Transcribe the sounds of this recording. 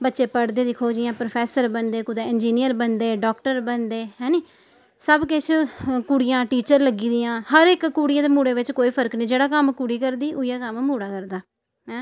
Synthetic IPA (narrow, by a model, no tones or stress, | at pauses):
bətːʃeːpəɽd̪eːd̪ɪkʰoːd͡ʒiːãːpɾopʰɛːsəɾbənd̪eːkʊd̪ẽːɪnd͡ʒiːnijəɾbənd̪eːɖɔːkʈəɾbənd̪eːɦɛ̃ːniː | səbkɪt͡ʃʰkuːɽɪjãːʈiːt͡ʃəɾləɡiːd̪ijãːhəɾɪkːuːɽɪjãːd̪eːmuːɽeːʋɪt͡ʃkoːiːpʰəɾəkniːd͡ʒeːɽaːkəmkʊɽiːkəɾd̪iːʔʊjaːkəmmuːɽaːkəɾd̪aː | ɦɛ̃ː